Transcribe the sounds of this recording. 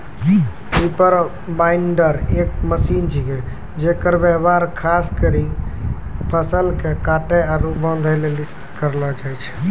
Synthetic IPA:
ipəɾ | baɪɳɖəɾek̚məsint͡ʃʰike | d͡ʒekəɾbəɦbaɾkʰaskəɾi | pʰəsəlkekaʈɛaɾubə̃nd̪ʱəlelis | kəɾlɔd͡ʒajt͡ʃʰɛ̥

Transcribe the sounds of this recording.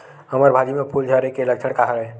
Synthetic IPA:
ɦəməɾbʱad͡ʒimepʰuld͡ʒʱəɾekelək̚t͡ʃʰəɽkaɦəɾɛ

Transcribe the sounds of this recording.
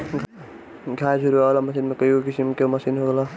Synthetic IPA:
ɡʱad͡ʒʰuɾuaɡlamɐsinmekʌjokisimkomɐsinɦoɡəla

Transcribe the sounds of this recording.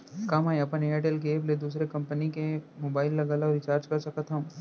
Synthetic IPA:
kɐmaːɐpənejaːʈeːlk̬eːbled̪uːsɾekɐ̃mpənikemoːbaːɪlːɐɡaːlaɔːɾɪt͡ʃaːɾd͡ʒkɐɾsɐkət̪ɦɐm

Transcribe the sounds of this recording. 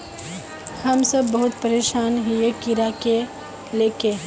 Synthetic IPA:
hɐmsɐbːɐɦʊt̪pəɾeːʃaːnɦijekɪɾake | leːke

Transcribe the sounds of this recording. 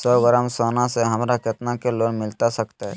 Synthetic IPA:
səɡəɾəmsoːnãseɦɐmɾakɐt̪nakeloːnmɪlt̪asɐkt̪eɦɛ

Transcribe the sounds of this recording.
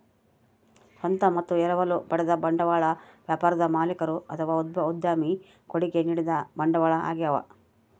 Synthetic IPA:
sɐnt̪ɐmɐt̪ːuɛɾɐʋɐlupɐɽɛd̪ɐbɐɳɖɐʋaːɭɐʋjaːpaːɾɐd̪ɐmaːlikɐɾuɐt̪ʰɐʋaːud̪̚bɐud̪jaːmi | koɽiɡeniːɽid̪ɐbɐɳɖɐʋaːɭɐa̰ːɡijɐʋɐ̰

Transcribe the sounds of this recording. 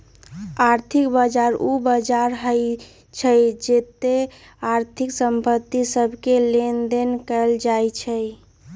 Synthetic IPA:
aɾt̪ʰikbəd͡ʒaɾubəd͡ʒaɾɦəj | t͡ʃʰəjd͡ʒet̪e | aɾt̪ʰiksəmpət̪ːisəbʱkelend̪enkəld͡ʒajt͡ʃʰəj

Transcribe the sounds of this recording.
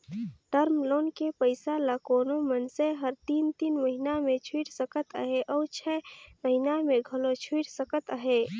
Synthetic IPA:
ʈəɾmlonkepəɪsalakonomənseɦəɾt̪int̪inməɦinamet͡ʃʰuiʈsəkət̪ə̰ɦeʔɔːt͡ʃʰɛməɦinameɡʱəlot͡ʃʰuiʈsəkət̪əɦe

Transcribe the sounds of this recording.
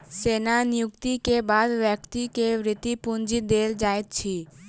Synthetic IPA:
seːnanɪjʊkt̪ikebaːd̪ʋjəkt̪ikeʋɾɪt̪ipʊnd͡ʒid̪eːld͡ʒaːet̪̚t͡ʃʰiː

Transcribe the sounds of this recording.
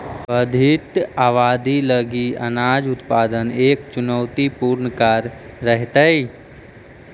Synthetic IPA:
bəd̪ʱɪt̪aːʋaːd̪iləɡiɐ̰naːd͡ʒʊt̪paːd̪əneːkt͡ʃʊnəwt̪ipuːɾnkaːɾː | əɦt̪ai

